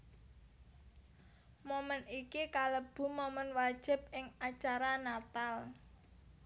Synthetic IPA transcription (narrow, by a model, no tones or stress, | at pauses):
momənikikaləb̥ṳmomənwad̥ʒ̥ɪ̤p̚ɪŋat͡ʃaɾanat̪al